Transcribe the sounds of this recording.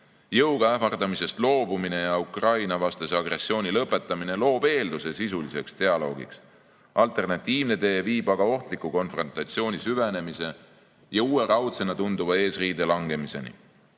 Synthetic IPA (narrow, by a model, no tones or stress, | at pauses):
jɤwɡ̥ɑæfɑrd̪ɑmise̞st̪lo̞ːbumine̞jɑukrɑjnɑvɑst̪eseɑɡre̞sːio̞ːnʲilɤpːˑe̞t̪ːˑɑmine̞lo̞ːb̥e̞ːld̪̥use̞sisulise̞kst̪e̞ɑlo̞ːɡḭks | ɑlt̪ˑe̞rnɑt̪ʲːˑiːvne̞t̪e̞ːviːb̥ɑɡ̥ɑo̞ht̪likːˑuko̞nfro̞nt̪ːˑɑt̪sio̞ːnʲisyve̞ne̞mise̞ | jɑuːe̞ɾɑwt̪se̞nɑt̪und̪uvɑe̞ːsriːd̪elɑŋɡe̞mise̞̰nḭ